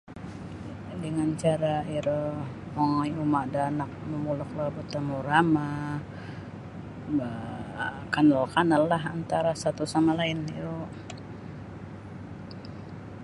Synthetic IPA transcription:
dəŋant͡ʃaɾaiɾə | mɔŋajumaʔdanak̚məmulʊk̚labət̪amuɾama | ba | kanɔlkanalːaɦant̪aɾasat̪usamalaɪnḭɾo

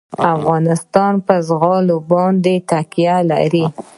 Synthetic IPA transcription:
afɣɑnɪst̪ɑnpəzɣɑlobɑnd̪et̪akjala̰ɾi

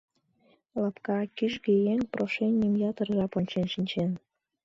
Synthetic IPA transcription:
lɑpkɑkyʃɡejeŋproʃenʲəmjɑt̪ərʒɑponʲt͡ɕenʃinʲt͡ɕen

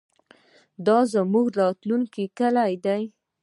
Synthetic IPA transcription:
d̪ɑzamuɡɾɑt̪luŋkikəlajd̪aj

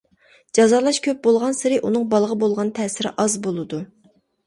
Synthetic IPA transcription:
d͡ʒɑzɑːlˠɑʃkʲʰøp̚bolˠʁɑnsɨɾɨʔunɨŋbɑlˠʁəbolˠʁɑnt̪ʰɛːsɪɾɪ̰ʔɑzbolˠɨd̪u

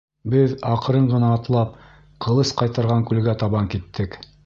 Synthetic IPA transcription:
bɘðɑq̆ɾɤɴʁɤ̆nɑːt̪lˠɑp̚ | qʰɤ̆lˠɤsqɑjt̪ɑɾʁɑŋkʉlɡæt̪ɑβɑŋkit̪ːɘk

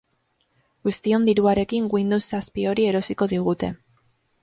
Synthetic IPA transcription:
ɡust̪io̞nd̪iɾuaɾe̞kiŋɡwind̪usːaspio̞ɾie̞ɾo̞siko̞ðiɣ̞ut̪e̞

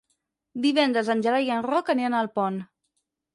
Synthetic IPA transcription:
d̪iβɛnd̪ɾəzənʲʒəlajənrɔkəneanəlˠpɔn

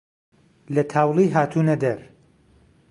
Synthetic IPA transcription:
lɐt̪ʰaːwlˠiːɦaːt̪ʰuːnɐd̪ɐɾ

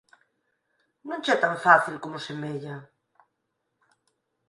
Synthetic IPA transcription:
nũnt͡ʃɛt̪aɱfaθilkomʊsemeʎɐ

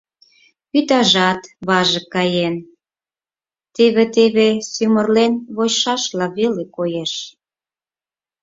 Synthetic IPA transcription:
pyt̪ɑʒɑt̪βɑʒə̆kɑjen | t̪eβet̪eβesymə̆rlenβojʃɑʃlɑβelekojeʃ

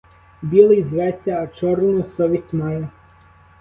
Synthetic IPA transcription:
bʲilˠɪjzʋɛt͡sʲːɐːt͡ʃɔrnʊsɔʋʲisʲtʲmɑjɛ

